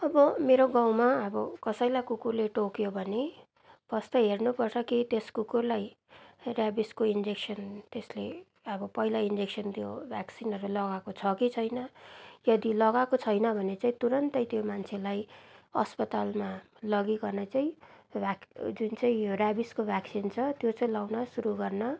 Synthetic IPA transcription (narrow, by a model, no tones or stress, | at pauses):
ʌbʌmeɾoɡãw̃maʌbʌkʌsʌjlajkukurleʈokjobʱʌne | bʌst̪ʌɦernupʌrt͡sʰʌkit̪eskukurlaj | rjabiskoind͡zeksʌnt̪esle | ʌbʌpʌɦilaind͡zeksʌnt̪jobʱjaksinʌɾulʌɡakot͡sʰʌkit͡sʰʌjnʌjʌd̪ilʌɣakot͡sʰʌjnʌbʱʌnet͡saĩt̪uɾʌnt̪ʌjt̪jomant͡sʰelajʌspʌt̪alma | lʌɡiɡʌrnʌt͡saĩbʱad͡zunt͡saĩrjabiskobʱaksint͡sʰʌt̪jot͡sʌĩlawnʌsuɾuɡʌrnʌ